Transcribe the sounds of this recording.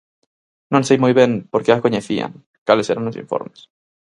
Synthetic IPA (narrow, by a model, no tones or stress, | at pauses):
nõnsejmujβjenpoɾkeakoɲeθia̰ŋ | kaleseɾanlosḭɱfo̰ɾmes